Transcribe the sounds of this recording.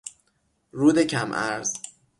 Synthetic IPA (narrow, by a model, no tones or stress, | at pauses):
ɾuːd̪ecʰæmʔæ̰ɾz̥